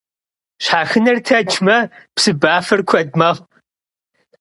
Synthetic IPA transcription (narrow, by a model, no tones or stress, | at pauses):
ɕħaːxɨnɐrtʰɐt͡ʃʰmɐpsɨbaːfɐrkʷʰɐdmɐʁ